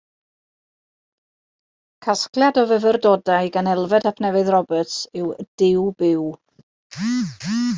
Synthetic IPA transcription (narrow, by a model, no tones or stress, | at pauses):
kʰasklˠjadɔvəvərdɔdaɨɡanɛlˠvɛdapʰnɛvɨðrɔbətsɪwd̥ɪwbɪw